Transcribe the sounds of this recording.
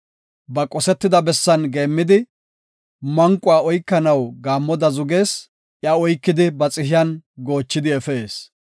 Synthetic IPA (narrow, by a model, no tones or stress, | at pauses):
bɐkʼɔsɛt̪ːɪd̪ɐbɛsːɐnɡe̞ːmːɪd̪ɪ | mɐŋkʼːʊaːɔjkːɐnɐwɡaːmːɔd̪ɐzʊɡe̞ːs | ʔjaɔjkːɪd̪ɪbɐt͡sʼɪɦɪjɐnɡo̞ːt͡ʃːɪd̪ɪɛfeːs